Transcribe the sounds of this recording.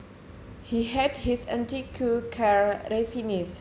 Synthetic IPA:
hiɦɛdhisã̰ntikʰukʰaɹɾefinis

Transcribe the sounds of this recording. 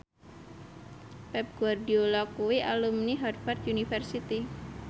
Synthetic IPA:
pɛp̚ɡ̥uardiolɔkuwiʔalumniɦɔrfart̪unifɛrsit̪i

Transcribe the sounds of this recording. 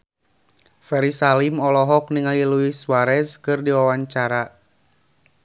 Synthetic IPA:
fɛɾisalimɔlɔɦɔk̚niŋaliluiswaɾɛskɨrdiwawaɲt͡ʃaɾa

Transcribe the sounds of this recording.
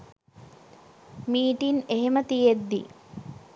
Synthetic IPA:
miːʈineɦemət̪ijed̪ːḭ

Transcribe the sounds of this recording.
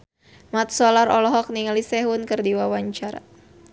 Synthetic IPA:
mat̪̚sɔlaɾɔlɔɦɔk̚niŋalisɛɦʊnkɨrdiwawaɲt͡ʃaɾa

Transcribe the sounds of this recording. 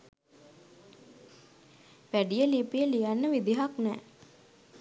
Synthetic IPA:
ʋæɖijəlipijəlijanːəʋid̪iɦaknɛː

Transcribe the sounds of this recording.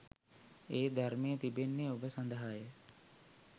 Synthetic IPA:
eːd̪ʱaɾmejət̪ibenːeobəsand̪əɦajə

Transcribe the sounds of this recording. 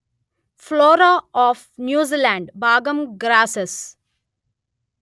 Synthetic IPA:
floːɾaɔːfnjuːzilãɳɖbaːɡə̃mɡɾaːses

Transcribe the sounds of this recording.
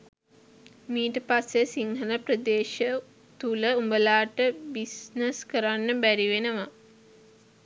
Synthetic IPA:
miːʈəpasːesiŋɦələpɾəd̪eːʃə | t̪uləumbəlaːʈəbisnəskəɾanːəbæɾiʋenəʋa

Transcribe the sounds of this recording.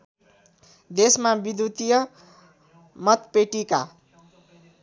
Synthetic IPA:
d̪esmabid̪ut̪ijʌ | mʌt̪peʈika̰

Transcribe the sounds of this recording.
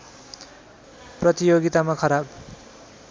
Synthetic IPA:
prʌt̪ijoɡit̪amakʰʌɾab

